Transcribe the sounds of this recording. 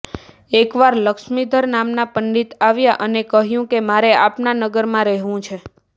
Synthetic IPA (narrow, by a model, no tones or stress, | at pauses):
ekʋaɾləkʃmid̪ʱəɾnamnapəɳɖit̪aʋjaʔənekəɦjũkemaɾeapnanəɡəɾmãɾɛɦʋũt͡ʃʰe